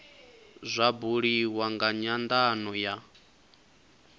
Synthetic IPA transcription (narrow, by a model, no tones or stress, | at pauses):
zʷabuɺiwaŋɡaɲand̪anɔja